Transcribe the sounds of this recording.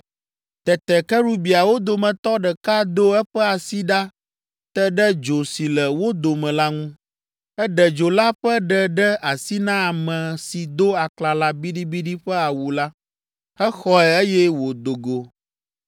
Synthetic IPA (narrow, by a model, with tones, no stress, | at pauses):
t̪ɛ˨t̪ɛ˨kɛ˦ɾu˦bi˨a˨wo˦d̪o˨mɛ̃˨t̪ɔ˦ɖɛ˨ka˦d̪o˦ɛ˦ɸɛ˦a˨si˦ɖa˦ | t̪ɛ˦ɖɛ˦d͡ʒo˨si˨lɛ˨wo˦d̪o˨mɛ̃˨la˦ŋũ˦ | ɛ˦ɖɛ˨d͡ʒo˨la˦ɸɛ˦ɖɛ˦ɖɛ˦a˨si˦nã˦a˨mɛ̃˨si˨d̪o˦a˨kla˨la˦bi˦ɖi˦bi˦ɖi˦ɸɛ˦a˨wu˨la˦ | ɛ˦xɔ˦ɛ˨e˦jɛ˦wo˨d̪o˨ɡo˨